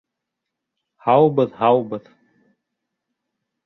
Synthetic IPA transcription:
hɑwbɤðhɑwbɤð

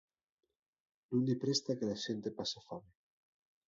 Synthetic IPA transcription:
nũnd̪ipɾest̪akelaʃent̪epasafame

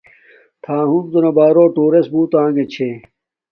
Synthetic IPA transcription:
t̪ʰãːɦũmt̪onɐbaːɾoːʈoːɾesbuːt̪ãːŋɡet͡ɕʰe

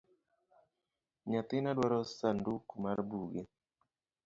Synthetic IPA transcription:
ɲat̪ɪnadwaɾɔsandukumaɾbuɡɛ

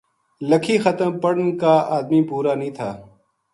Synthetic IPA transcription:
ləkʰiːxət̪əmpəɽnkaːaːd̪miːpuːɾaːnəĩːt̪ʰaː

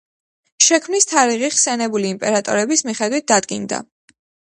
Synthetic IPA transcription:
ʃɛkʰmnist̪ʰaɾiʁiχsɛnɛbuliːmpʼɛɾat̪ʼɔ̰ɾɛbismiχɛd̪wit̪̚d̪ad̪ɡind̪a̰

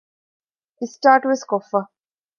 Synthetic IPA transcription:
isʈaːʈʋɪskofɐ

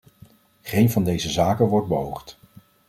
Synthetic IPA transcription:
χejnvɑndejzəzaːkənʋɔɹd̚bəɦowχt

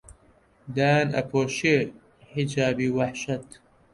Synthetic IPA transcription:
d̪aːnɐ̰pʰoːʃe | ħid͡ʒaːbiːwɐħʃɐt̪

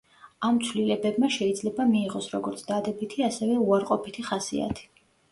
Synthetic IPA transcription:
amt̪sʰwlilɛbɛbmaʃɛid̪zlɛbamiːʁɔsɾɔɡɔɾt̪sʰd̪ad̪ɛbit̪ʰiasɛvɛuaɾqʼɔpʰit̪ʰiχasḭa̰t̪ʰi̥

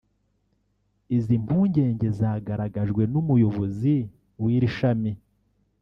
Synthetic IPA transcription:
izim̥puːɲɟe̞ːɲɟe̞zaːɡaɾaɡaʒɡwe̞numujo̞βo̞zi | wiːɾiʃami

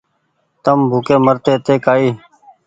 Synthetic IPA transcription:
t̪əmbʱʊːkeːməɾt̪eːt̪eːkaːiː

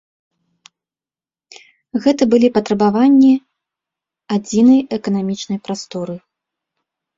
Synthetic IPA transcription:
ɣɛt̪ɐbɨlʲipɐt̪ɾɐbavanʲːi | ad͡zʲinɐjɛkɐnamʲit͡ʂnɐjpɾast̪ɔɾɨ

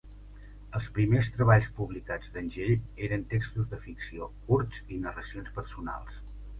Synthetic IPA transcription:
əlˠspɾimest̪ɾəβaʎspuβlikad͡zd̪ənʲʒeʎeɾənt̪ekst̪uzðəfiksiokuɾt̪zinərəsionspərsuna̰lˠs

